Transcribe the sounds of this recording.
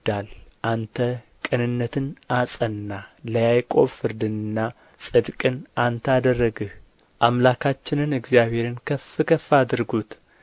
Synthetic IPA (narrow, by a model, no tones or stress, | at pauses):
d̪alʔant̪ʰəkʼɨnɨnːət̪ʰɨnʔasʼənːaləjajkʼo̞fɨɾd̪ɨnɨnːa | sʼɨd̪kʼɨnʔant̪ʰad̪ərːəɡɨh | ʔamlakʰat͡ʃːɪnɨnɨɡzijaβhe̞ɾɨnkʰəfɨkʰəfad̪ɨɾɡut̪